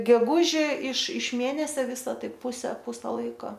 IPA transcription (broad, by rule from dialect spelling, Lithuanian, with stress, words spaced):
ɡʲɛˈɡʊʒʲɛ ɪʃ ɪʃ ˈmʲeːnʲɛsʲɛ ˈʋʲɪsɐ ˈtɐɪp ˈpʊsʲɛ ˈpʊsʲɛ ˈlˠɐɪkoː